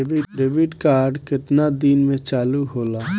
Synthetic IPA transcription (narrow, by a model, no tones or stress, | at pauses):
bɪɖebɪʈkaːɾɖkɪt̪nad̪iːnmẽt͡ʃaːluɦoːlaː